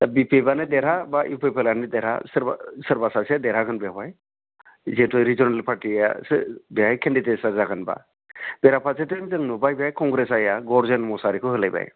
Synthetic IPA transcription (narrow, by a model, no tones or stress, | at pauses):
t̪abipʰebanɯd̪ɛɾabaʔipʰejpelanɯd̪ɛɾa̰səɾsəɾbasased̪ɛɾakʰɯnbiabaj | zetɔjɾid͡ʒɔnalpʰaɾʈia̰sbɛajkʰɛndidesəɾzakʰanba̰ | b̥ɛɾapʰasʰetenzəŋnubajbajkɔŋɡɾesajaɡɔɾzenmɔsaɾikʰɔɦɯlajba̰j